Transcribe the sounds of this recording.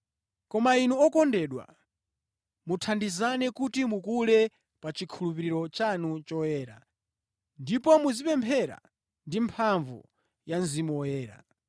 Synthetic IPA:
kɔmainuɔkɔndɛɗwa̰ | mutʰandizanɛkutimukulɛ | pat͡ʃikʰulupiɾiɾɔt͡ʃanut͡ʃɔjɛːɾa̰ | ndipɔmuzipɛmpʰɛɾa̰ | ndimpʰaɱvṵ | janzimɔjɛːɾa̰

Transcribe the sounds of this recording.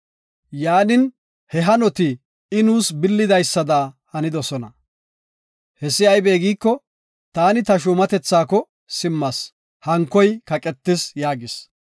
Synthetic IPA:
jaːnɪn | hɛɦɐnɔt̪ɪ | ɪnuːsbɪlːɪd̪ɐjsːɐd̪ahɐnɪd̪ɔsɔnɐ | hɛsːɪɐjbeːɡiːkːɔ | t̪aːnɪt̪ɐʃ̬ʊmɐt̪ɛt͡sːaːkɔ | sɪmːɐs | hɐŋkːɔjkɐkʼɛt̪ːɪsjaːɡɪs

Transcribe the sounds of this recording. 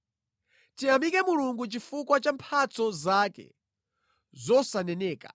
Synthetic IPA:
tiamikɛmuluŋɡut͡ʃifukwat͡ʃampʰat͡sɔzakɛ̰ | zɔsanɛnɛːkḁ̰

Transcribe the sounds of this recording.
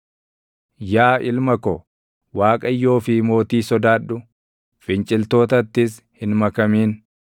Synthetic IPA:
jaːʔɪlmɐkɔ | waːkʼɐjːo̞ːfɪmo̞ːt̪iːsɔd̪aːɗʊ | fɪnt͡ʃʼɪlt̪o̞ːt̪ɐt̪ːɪs | hɪnmɐkɐmiːn

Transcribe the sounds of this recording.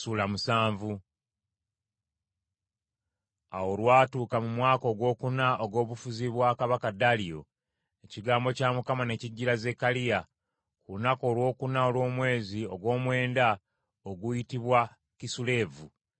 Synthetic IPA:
suːlamusaːɱvu | a̰wo̞lwaːtuːkamumwaːko̞ːɡwo̞ːkunaoɡo̞ːβufuziβwaːkaβakadalijo̞̰ | e̞ciɡaːmbo̞camukamane̞ciɟːiɾaze̞kalija | kulunako̞ːlwo̞ːkunao̞lwo̞ːmwe̞ːzio̞ɡwo̞ːmwe̞ːnda | oɡujitiβwa | kisule̞ːvu

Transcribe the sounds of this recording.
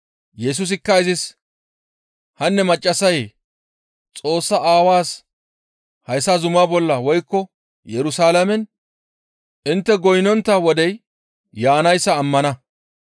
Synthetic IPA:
jɛs̬ʊs̬ɪkːɐɪzɪs | hɐnːɛmɐt͡ʃʼːɐsɐj | t͡sʼo̞ːsːɐʔaːwaːs | hɐjsazʊmabɔlːɐwɔjkːɔ | jɛɾʊsaːlɐmɛn | ʔɪnt̪ːɛɡɔjnɔnt̪ːɐwɔd̪ɛj | jaːnɐjsːɐːmːɐnɐ

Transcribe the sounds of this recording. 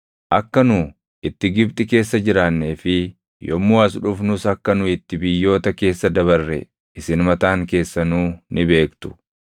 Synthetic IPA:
ʔɐkːɐnʊ | ɪt̪ːɪɡɪbt̪ʼɪke̞ːsːɐd͡ʒɪɾaːnːe̞ːfɪ | jɔmːuːɐs̬ᶑʊfnʊsɐkːɐnʊɪt̪ːɪbɪjːo̞ːt̪ɐke̞ːsːɐd̪ɐβɐrːɛ̰ | ʔɪsɪnmɐt̪aːŋke̞ːsːɐnuːnɪbe̞ːkt̪ʊ̥

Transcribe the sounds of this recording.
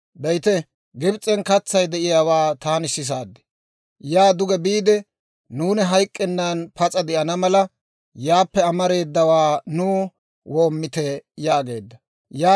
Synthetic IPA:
bɛjt̪ɛ | ɡɪbt͡sʼːɛnkɐt͡sːɐjd̪ɛʔɪjaːwaːt̪aːnɪsːɪs̬aːd̪ːɛ̥ | jaːd̪ʊɡɛbiːd̪ɛ | nuːnɛɦɐjkʼːɛnːanpɐt͡sʼɐd̪ɪʔɐnɐmɐlɐ | jaːpːɛɐmɐɾe̞ːd̪ːɐwaːnuː | woːmːɪt̪ɛjaːɡe̞ːd̪ːɐ | jaː

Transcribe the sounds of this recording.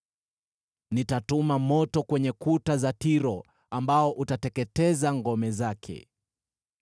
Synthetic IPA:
nitatumamɔtɔkwɛɲɛkutazatiɾɔ | ambaɔʔutatɛkɛtɛzaŋɡɔmɛzakʰɛ̰

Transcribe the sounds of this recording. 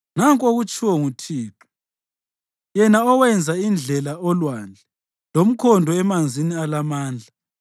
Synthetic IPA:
naŋkʼoɣut͡ʃʼʰiwɔŋutʰiːǁu̥ | jɛnaɔwɛnd͡zʱaind͡ɮʱɛlaɔlwand͡ɮʱɛ | lom̩kʰɔndʱɔɛmand͡zʱinialamaːnd͡ɮʱa

